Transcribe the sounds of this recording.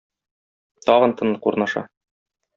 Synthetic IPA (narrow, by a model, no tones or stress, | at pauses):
t̪ɒʁɤ̆nt̪ɤ̆nlˠɤquɾnɑʃɑ̰